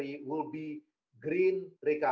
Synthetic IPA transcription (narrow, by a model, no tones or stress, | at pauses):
iwɪlbi | ɡɾĩnɾeka